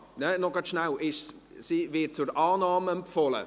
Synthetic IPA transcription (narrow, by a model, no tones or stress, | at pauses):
nɛnɔɡ̥ɑtʃnawʔɪʃssivɪt̚t͡sʊɾʔɑːnɑːməɛmpfɔlə̰